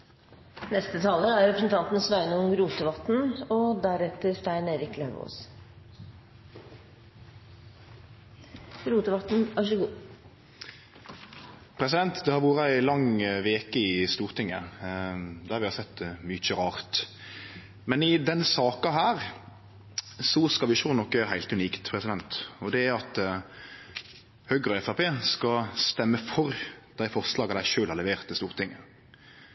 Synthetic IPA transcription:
nɛst̪ət̪ʰɑːləæɾɾɛpɾəsn̩t̪ʰɑnt̪n̩sʋæɪnəʊmɾuːt̪əʋɑt̪n̩ɔd̪æɾɛt̪ːəɾst̪æɪneːɾɪkleʋo̰ːs | ɾuːt̪əʋɑt̪n̩ɑʂɡuː | pʰɾɛsɪd̪ɛnt̪d̪ɛhɑɾʋuːɾəæɪlɑŋʋeːkəɪst̪uːʁt̪ʰɪŋːə̰ | d̪æɾʋɪhɑɾsɛt̪ːmyt͡ʃəɾɑːʁt̪ | mɛnɪd̪ɛnsɑːkɑɦæːʁ | sɔskɑʋɪʃɔnɔkːøːɾəhæɪlt̪ʉniːkt̪pʰʁɛsɪd̪ɛnt̪ɔd̪ɛæɑt̪ | høːɡɾɔɛfæpeːskɑst̪ɛmːəfɔɾd̪̥æɪfɔʁslɑːɡɑd̪æɪʃøːlhɑʁlɛʋeːʁt̪ːɪst̪uːʁt̪ʰɪŋːə

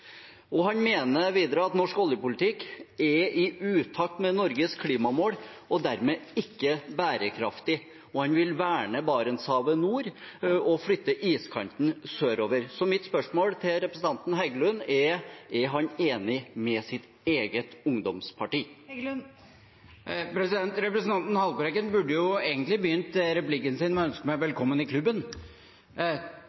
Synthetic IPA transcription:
ɔɦɑnmeːnəʋiːd̪ɾəɑt̪nɔʂkɔljəpʊlɪt̪ʰɪkːɛɾɪʔʉːt̪ʰɑːk̚t̪mɛnɔɾɡəskʰliːmɑmoːɽɔd̪æɾmɛɪkːəbæːɾəkʰɾɑft̪ɪ | ɔhɑnʋɪlʋæːɳəbɑːɾənshɑːʋənuːɾɔfɽʏt̪ːəʔiːskʰɑnt̪n̩søːɾoːʋəɾsɔmɪt̪spœʂmoːlt̪ʰɪlɾɛpɾəsn̩ɑnt̪n̩ɦæɪɡəlʉnɛɾɛɾɦɑneːnɪmɛsɪt̪ | eːɡət̪ʊŋd̪ɔmspʰɑʈiː | pʰɾɛsɪd̪ɛnt̪ɾɛpɾəsn̩ɑnt̪n̩hɑlbəɾɛɡənbʉɖːəjʊeːɡənt̪lɪbəjʏnt̪ɾɛplɪkːənsɪnɔœnskəmæɪʋɛlkʰɔmːənɪkʰlʉbːən

